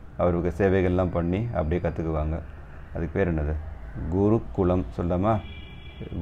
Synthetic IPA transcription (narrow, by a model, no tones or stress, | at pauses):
ɐʋɐɾɐʋɯkːɯseːʋɐɪɣɐɭɛlːãːmpɐɳːiɐ̰pːɐɽɪiekːɐt̪ːɯkːɯʋaːŋɡɐ | ɐðɯkːɯpeːɾɐnːɐðɯɡʊɾukːʊɭɐmsɔlːaːmaː